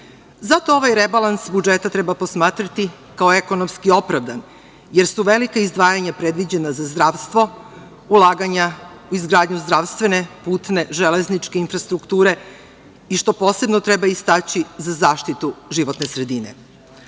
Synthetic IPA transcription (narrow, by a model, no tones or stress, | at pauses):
zat̪o̞o̞ʋajɾebalˠansbud͡ʒet̪at̪ɾebapo̞smaːt̪ɾat̪i | kaoekonomskio̞pɾaʋd̪an | jeɾsuʋe̞likaizd̪ʋaːjaɲapɾed̪ʋid͡ʑe̞nazazd̪ɾaːʋst̪ʋo̞ | ulˠaːɡaɲa | uizɡɾaːd̪ɲuzd̪ɾaʋst̪ʋe̞ne̞puːt̪ne̞ʒeleznit͡ʃke̞infɾast̪ɾukt̪uːɾe̞ | iʃt̪opo̞se̞bnot̪ɾebaist̪at͡ɕizazaːʃt̪it̪uʒiʋo̞t̪nesɾed̪inḛ